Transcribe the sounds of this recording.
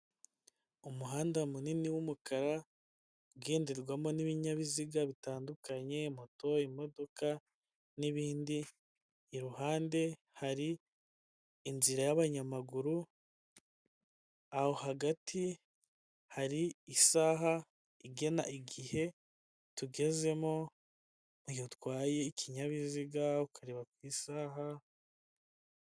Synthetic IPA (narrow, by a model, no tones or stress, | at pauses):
umuɦaːndamuniniwumukaɾa | uɡeːndiɾɡwamo̞niβiɲaβiziɡaβitaːndukaɲe̞mo̞to̞imo̞do̞ka | niβiːndiː | ɾuɦaːnde̞ | haɾi | nziɾajaβaɲamaɡuɾu | aho̞haɡatʰi | haɾiːsaːɦa | iɡe̞naʔiɡihe̞ | tuɡe̞ze̞mo | mujotwaːje̞icʰiɲaβiziɡaukʰaɾeβakwiːsaːɦa